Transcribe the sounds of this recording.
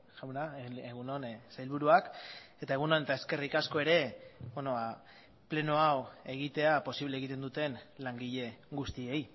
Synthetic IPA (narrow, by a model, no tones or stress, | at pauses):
ʝawnaeɣunonsajlβuɾuake̞t̪ae̞ɣ̞unonet̪aeske̞rikasko̞e̞ɾe̞benoβa | ple̞no̞awe̞ɣ̞it̪e̞apo̞siβleːɣit̪e̞nd̪ut̪e̞nlaŋɡiʎe̞ɡust̪ie̞j